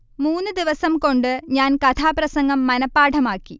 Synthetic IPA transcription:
muːnːɨd̪iʋɐsɐmko̞ɳɖɨɲaːnkɐt̪ʰaːprɐsɐŋɡɐmːɐnɐpːaːʈʰɐmaːkːi

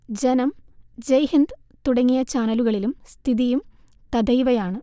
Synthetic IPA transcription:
d͡ʑenɐmd͡ʑɐjhind̪ | t̪uɽɐŋːijɐt͡ɕaːnɐluɣɐɭilumst̪ʰiðijum | t̪ɐd̪ɐjʋɐjaːɳɨ

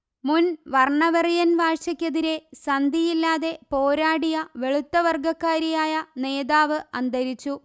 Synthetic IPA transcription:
munʋɐrɳɐʋɐrijɐnʋaːrɕɐkʲːeðiɾe̞sɐnd̪ʱijilːaːðe̞po̞ːɾaːɽijɐʋe̞ɭut̪ːɐʋɐrɡɐkːaːɾijaːjɐne̞ːðaːʋɨɐnd̪ɐɾit͡ɕːu

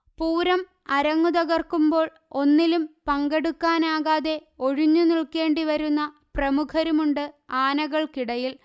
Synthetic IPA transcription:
puːɾɐm | ɐɾɐŋːuðɐɣɐrkumbo̞ːɭ | o̞nːilumpɐŋɡeɽukːaːnaːɣaːðe̞o̞ɻuɲːuniɭke̞ːɳɖiʋɐɾunːɐ | prɐmukʰɐɾumuɳɖɨaːnɐɣɐɭkiɽɐjil

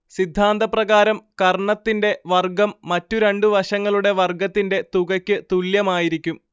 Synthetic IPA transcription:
sid̪ʱːaːnd̪ɐprɐɣaːɾɐmkɐrɳɐt̪ːinde̞ʋɐrɡɐmːɐtːuɾe̞ɳɖuʋɐʂɐŋːɐɭuɽe̞ʋɐrɡɐt̪ːinde̞t̪uɣɐkʲːɨt̪uɭjɐmaːjiɾikʲːum

